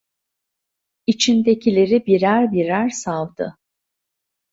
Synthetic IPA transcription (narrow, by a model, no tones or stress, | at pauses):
it͡ʃʰind̪e̞cʰilʲe̞ɾibiɾæɾbiɾæɾsalˠd̪ɯ̰